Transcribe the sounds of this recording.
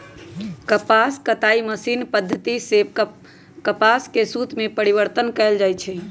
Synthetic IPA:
kəpaskət̪aiməsinpəd̪ʱːət̪iseb | kəpaskesut̪mepəɾiβəɾt̪ənkɛld͡ʒajt͡ʃʰɛ

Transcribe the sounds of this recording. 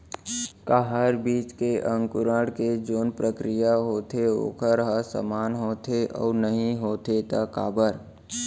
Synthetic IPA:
kaɦəɾbiːt͡ʃkeʔə̃ŋkʊɾəɽked͡ʒoːnpɾəkɾijaɦoːt̪ʰeo̰ːkʰəɾɦəsə̰maːnɦoːt̪ʰeʔɔ̰ːnəɦĩɦoːt̪et̪akaːbəɾ

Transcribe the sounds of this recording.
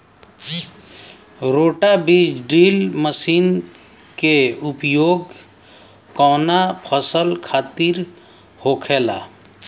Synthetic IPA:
ɾoːʈabid͡ʒɖiːlməsiːn | keʊpjoːɡ | kɔːnapʰəsəlkʰaːt̪iɾ | hoːkʰeːla̰ː

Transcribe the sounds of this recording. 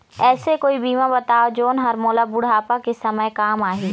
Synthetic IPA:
ɛːsekoːibiːmãbɐt̪aːod͡ʒoːnɦɐɾmoːlabʊɽ̤aːpakesɐməjkaːmaːɦiː

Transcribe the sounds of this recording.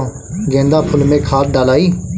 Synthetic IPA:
ɡɛ̃ːnd̪aːpʰʊlmẽːkʰaːt̪̚ɖaːlaːiː

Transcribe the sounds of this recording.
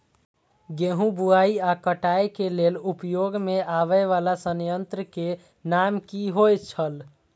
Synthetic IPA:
ɡeɦũbuaiakəʈajkelelupjoɡmeaβəʋalasənjənt̪ɾəke | namkiɦojt͡ʃʰəl

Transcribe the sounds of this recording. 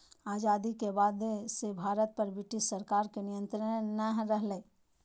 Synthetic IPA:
aːd͡ʒaːd̪ikebaːd̪esebʱaːɾət̪̚pɐɾbɪʈisəɾkaːɾkenɪjə̃nt̪ɾənəɦɾəɦle

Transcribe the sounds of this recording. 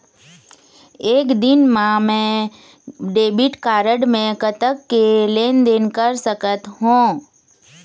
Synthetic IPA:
eːkd̪ɪnmãmɛ̃ | ɖeːbɪʈkaːɾəɖmẽkət̪əkːeleːnd̪enkəɾsəkət̪ɦũː

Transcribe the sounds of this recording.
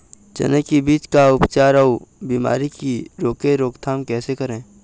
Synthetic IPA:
d͡ʒə̰nəkːibiːt͡ʃkaʊpt͡ʃaːɾaubiːma̰ːɾikiɾoːkeɾoːkt̪ʰaːmkɛːsekəɾẽː

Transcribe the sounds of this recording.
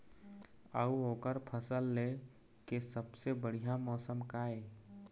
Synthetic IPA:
əuoːkəɾpʰəsəlːe | kesəbsebəɽ̤ijamɔːsəmkae

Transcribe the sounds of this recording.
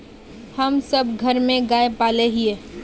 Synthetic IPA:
hɐmsɐb̚ɡʱɐɾmẽɡaːepaːleɦieː

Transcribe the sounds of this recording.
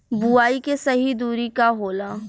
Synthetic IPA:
buaːikesɐɦid̪uːɾikaɦoːlaː

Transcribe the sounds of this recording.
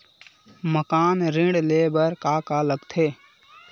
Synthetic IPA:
məkaːnɾɪ̃ɽleːbəɾkaːkaːləɡt̪ʰeː

